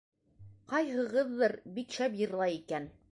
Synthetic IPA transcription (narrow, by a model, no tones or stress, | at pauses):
qɑjɦɤ̆ʁɤðːɤɾbikʃæpjɤ̆ɾlˠɑjikæn